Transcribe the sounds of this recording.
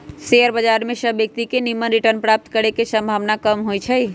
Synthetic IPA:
seəɾbəd͡ʒaɾmẽsəbjək̚t̪ikenimənɾiʈəɾnpɾap̚t̪kəɾekesə̃mbʱaːʋnakəmɦoit͡ʃʰəi

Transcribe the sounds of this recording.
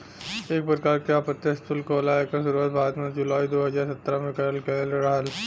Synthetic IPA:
eːk̚pɾɪkaːɾkjaːpət̪ːeɪskʊlkoɐlaːekasʊɾuət̪̚bʱaːɾət̪mẽd͡ʒʊlaːid̪oːɦɐzaːɾsɐt̪ːɾamẽkɐɾəlkɛəlɾɐɦəl

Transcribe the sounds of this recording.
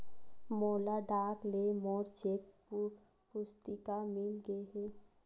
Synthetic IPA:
moːlaɖaːklemɔːɾt͡ʃek̚p | pʊst̪ɪkamɪlɡəeɦɛː

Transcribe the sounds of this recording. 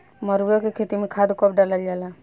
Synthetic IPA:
məɾjokekʰet̪imẽkʰad̪kɔp̚ɖaləld͡ʒala

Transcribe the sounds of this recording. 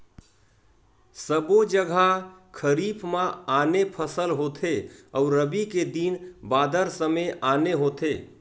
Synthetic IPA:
səbod͡ʒəɡʱakʰəɾiːpʰmãaːnepʰəsəlɦot̪ʰeɔʊɾəbiked̪inbaːd̪əɾsəmeʔaːneɦoːt̪eː

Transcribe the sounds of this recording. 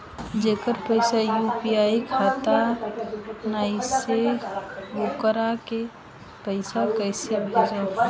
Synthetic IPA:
d͡ʒekəɾpəɪsajupiaikʰat̪a | naise | ɡokəɾake | pəɪsakəɪsebʱed͡ʒa

